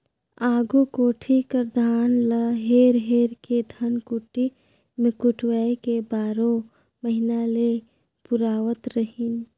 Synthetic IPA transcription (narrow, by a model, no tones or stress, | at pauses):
aːɡukoːʈʰikəɾd̪ʱaːnləɦeːɾɦeːɾked̪ʱənkʊʈi | mekʊʈʰwaːekebaːɾõ | məɦɪnale | pʊɾaːʋət̪ɾəɦin